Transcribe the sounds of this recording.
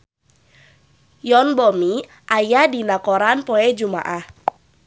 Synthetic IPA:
jɔnbɔmi | ʔajadinakɔɾanpɔɛd͡ʒuma̰ʔah

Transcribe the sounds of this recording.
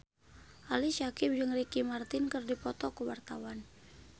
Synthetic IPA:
ʔaliʃakɪp̚d͡ʒɨŋrikimart̪ɪnkɨrdipɔt̪ɔkuwart̪awan

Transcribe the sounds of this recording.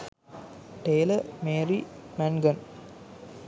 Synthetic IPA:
ʈeːlɐmeːɾimɛnɡɐn

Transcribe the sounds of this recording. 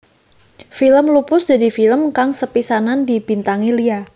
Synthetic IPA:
filəmlupʊsd̥a̤difiləmkaŋsəpisanandib̥int̪aŋilia

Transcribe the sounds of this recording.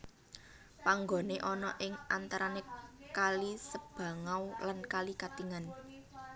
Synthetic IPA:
paŋɡo̤neʔɔnɔʔɪŋant̪aɾanekalisəb̥ä̤ŋawlankalikat̪iŋan

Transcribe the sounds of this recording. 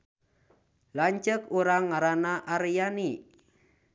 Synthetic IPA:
laɲt͡ʃəkuɾaŋːaɾanaʔaɾjani

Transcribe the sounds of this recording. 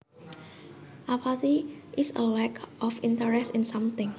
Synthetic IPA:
ʔapʰat̪iʔɪsə̰lɛkʰʔɔfĩntəɹɛstɪ̃nsãmt̪ɪ̃ŋ

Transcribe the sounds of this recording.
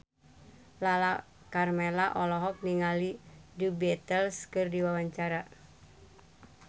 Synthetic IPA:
lala | karmelaʔɔlɔɦɔk̚niŋalidubɛt̪əlskɨrdiwawaɲt͡ʃaɾa

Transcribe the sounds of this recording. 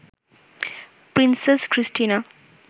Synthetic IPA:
pɾinseskɾisʈina

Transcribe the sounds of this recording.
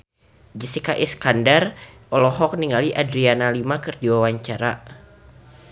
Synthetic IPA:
d͡ʒisikaʔiskandarʔɔlɔɦɔk̚niŋaliʔadɾianalimakɨrdiwawaɲt͡ʃaɾa

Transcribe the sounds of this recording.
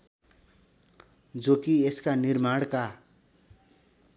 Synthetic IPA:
d͡zokieskanirmaɽka

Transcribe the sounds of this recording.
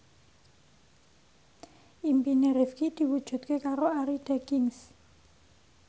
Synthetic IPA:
ʔimpineɾɛfkid̪̥i̤wud̥ʒ̥ṳt̪̚kekaɾoaɾid̪̥ekiŋs

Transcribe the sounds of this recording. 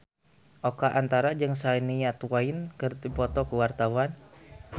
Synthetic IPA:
ʔɔkaʔant̪aɾad͡ʒɨŋsainiat̪uwainkɨrd̪ipɔt̪ɔkuwart̪awan

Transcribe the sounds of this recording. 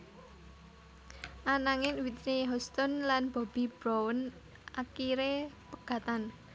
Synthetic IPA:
ʔanaŋɪnwit̪neɦɔst̪ɔnlanb̥ɔ̤b̥i̤b̥ɾɔwən | akiɾepəɡ̥ä̤t̪an

